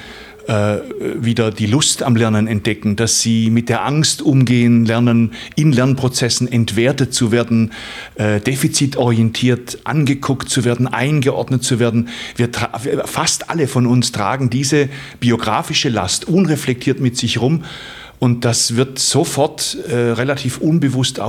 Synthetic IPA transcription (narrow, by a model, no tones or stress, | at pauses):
ʔɛːviːdɐdiːlʊstamlɛɐnənɛnt̚d̥ɛkŋ̩d̥asz̥iːmɪt̚d̥eːɐʔaŋstʔʊmɡeːənlɛɐnənʔɪnlɛɐnpʁ̥ot͡sɛsn̩ɛntv̥eːɐtət̚t͡suveːɐdn̩ | ʔɛːd̥eːfit͡sitɔʁiɛntʰiːɐtʔa̰nɡəkʰʊktt͡suveːɐdn̩ʔa̰ɪnɡəʔɔ̰ɐdnət̚t͡suveːɐdn̩viːɐtʁifastʔa̰ləfɔnʊnstʁ̥a̰ːɡŋ̩diːzəb̥ioɡʁa̰ːfɪʃəla̰stʔʊnʁɛflɛk̚tʰiːɐtmɪtz̥ɪçʁʊm | ʔʊnt̚d̥asv̥ɪɐtz̥ofɔɐtɛʁelatʰiːfʔʊnbəvʊsta̰ʊ